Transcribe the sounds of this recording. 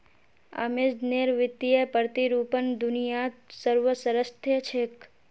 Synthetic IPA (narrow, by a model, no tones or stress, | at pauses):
ə̰mɪd͡ʒneɾʋɪt̪ijəpəɾt̪iɾuːpənd̪ʊnijasəɾʋəsəɾəst̪ʰjət͡ʃʰek